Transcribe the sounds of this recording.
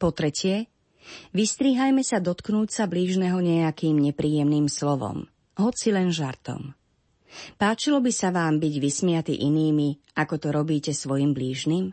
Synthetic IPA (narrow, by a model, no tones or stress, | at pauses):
pɔt̪ɾɛcɪɛ | ʋist̪ɾiːɦajmɛsad̪ɔt̪knuːct͡sabliːʒnɛɦɔɲɛakiːmɲɛpɾiːjɛmniːmslɔʋɔ̰m | ɦɔt͡silɛnʒaɾt̪ɔ̰m | paːt͡ʃilɔbisaʋaːmbiɟʋismɪat̪ḭʔiniːmiʔakɔt̪ɔɾɔbiːcɛsʋɔjimbliːʒniːm